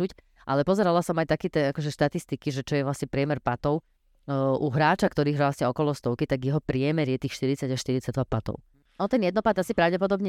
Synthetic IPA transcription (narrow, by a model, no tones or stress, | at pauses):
uc | ʔa̰lɛpɔzɛɾalasɔmajt̪akɛt̪ɛakɔʒɛʃt̪at̪ist̪ikiʒɛt͡ʃɔjɛʋlasɲɛpɾɪɛmɛɾpat̪ɔʊ | ʔuɦɾaːt͡ʃakt̪ɔɾiːɣɾasɲɛɔkɔlɔst̪ɔʊkit̪aɡjɛɦɔpɾɪɛmɛɾjɛt̪iːxʃt̪iɾit͡saɟaʃt̪iɾit͡saɟ̚d̪ʋapat̪ɔ̰ʊ | ɔnt̪ɛnjɛd̪nɔpad̪asipɾaʊɟɛpɔd̪ɔbɲɛ